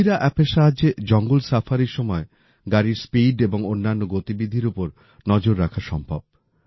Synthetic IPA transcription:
iɾaʔɛpeʃaɦad͡ʑed͡ʑɔŋɡulsafʰaɾiɾʃɔmɔe | ɡaɾiɾspiɖeboŋonːanːoɡot̪ibid̪ʱiɾupoɾ | nɔd͡ʑoɾːakʰaʃɔmbʱa̰b̚

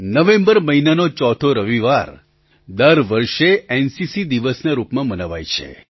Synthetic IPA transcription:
nəʋẽmbəɾməɦinanot͡ʃɔt̪ʰoɾəʋiʋaɾ | d̪əɾʋəɾʃeɛnsisid̪iʋəsnaɾupmãmənaʋajt͡ʃʰḛ

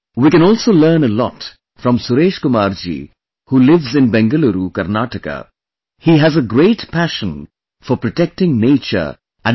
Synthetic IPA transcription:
wiːkɛ̃nɔːlˠsoləːnəlɔ̰t | fɾɔ̃msʊɾeːʃkʊmaːɾd͡ʒḭ | huːlɪʋzɪ̃nbɛ̃ŋɡəluɾukəɾnaʈəkə̰ | hiɦæzəɡɾeːʈpʰæʃə̃n | fɔɾpɾɔʈɛk̚ʈɪ̃ŋneːt͡ʃə̰ɾ | ʔæ̃n

